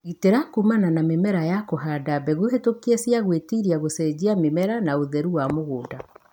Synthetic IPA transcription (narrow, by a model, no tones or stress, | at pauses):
iteɾakumananamemɛɾajakoɦaːdabɛɣuɦetokiesjaɣwetiɾiaɣosɛd͡ʑiamemɛɾanaoðɛɾuwamoɣoːda